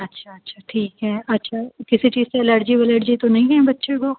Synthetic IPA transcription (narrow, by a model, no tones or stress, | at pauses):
ɐtːʃʰaɐtːʃʰaʈʰiːkɦɛɐtːʃʰakɪsit͡ʃiːzseɐləɾd͡ʒibɐləɾd͡ʒit̪onɐɦĩɛ̃bɐtːʃeko